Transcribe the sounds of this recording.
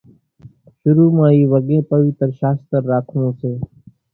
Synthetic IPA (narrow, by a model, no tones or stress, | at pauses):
ʃʊɾuːmãːiːʋəɠẽːpəʋɪt̪ɾʃaːst̪əɾːaːkʰnõːseː